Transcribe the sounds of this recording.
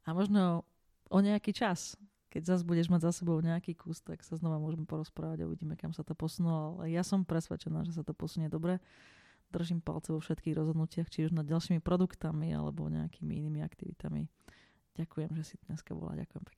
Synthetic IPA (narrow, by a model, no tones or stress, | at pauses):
amɔʒnɔ | ʔɔɲɛakiːt͡ʃas | kɛɟzazbuɟɛʒmaɟzasɛbɔʊɲɛakiːkuːst̪aksaznɔʋamʊɔʒɛmɛpɔɾɔspɾaːʋaɟɔ̰ʋḭɟiːmɛkamsat̪ɔpɔsunulɔalɛ̰jasɔmpɾɛsʋɛ̰t͡ʃɛna̰ːʒɛs̬at̪ɔpɔsuɲɛd̪ɔbɾɛ | d̪r̩ʒimpa̰lt͡sɛʋɔfʃɛt̪kiːɣɾʔɔzɦɔd̪nucɪaxt͡ʃiuʒnad̪̚ɟalʃiːmipɾɔd̪ukt̪amia̰lɛ̰bɔ̰ɲɛ̰a̰kiːmiiniːmia̰kt̪iʋḭt̪amḭ | ɟakujɛmʒɛsit̪ɲɛskabɔ̰la̰ɟa̰kujɛmpɛ̥k